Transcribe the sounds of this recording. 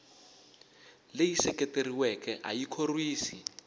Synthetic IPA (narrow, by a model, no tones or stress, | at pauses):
lejisɛkɛteriwɛkɛʔa̰jikʰorwiːsi